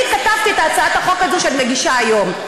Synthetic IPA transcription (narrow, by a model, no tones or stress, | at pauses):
it̪katavt̪iet̪aːt͡saat̪aχo̞kazoʃeanimeɡiʃaːjo̞m